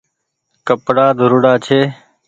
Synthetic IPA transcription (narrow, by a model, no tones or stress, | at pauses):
kəpɽaːd̪ʱʊɾʊɽaːt͡ʃʰeː